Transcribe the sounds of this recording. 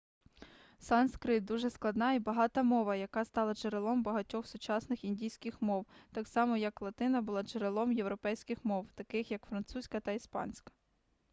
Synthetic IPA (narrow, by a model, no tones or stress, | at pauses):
sɑnskɾɪt̪̚d̪uʒɛsklˠɐd̪nɑibɐɦɑt̪ɐmɔʋɐjɐkɑst̪ɑlˠɐt͡ʃeɾɪlˠɔmbɐɦɐtʲɔxsʊt͡ʃɑsnɪxinʲdʲijsʲkɪxmɔwt̪ɑksɑmɔjɐklˠɐt̪ɪnɐbʊlˠɑt͡ʃeɾelˠɔmjewɾɔpɛjsʲkɪxmɔwt̪ɐkɪxjɐkfɾɐnt̪susʲkɐt̪ɐispɑ̰nʲsʲkɐ̥